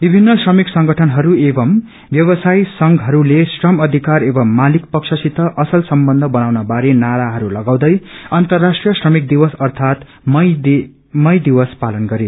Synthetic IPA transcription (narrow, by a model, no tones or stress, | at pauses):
bibʱinːʌsrʌmiksʌŋɡʱʌʈʰʌnɦʌɾuebʌm | bjʌbʌsajsʌŋɡʱɦʌɾulesrʌmʌd̪ʱikaɾebʌmːalikpʌksʰʌsit̪ʌʔʌsʌlsʌmbʌnd̪ʱʌbʌnawnʌbaɾenaɾaɦʌɾulʌɡaw̃d̪ʌjʌnt̪ʌrːasʈrijʌsrʌmik̚d̪iwʌsʌrt̪ʰat̪ | mʌ | mʌjd̪iwʌspalʌnɡʌɾe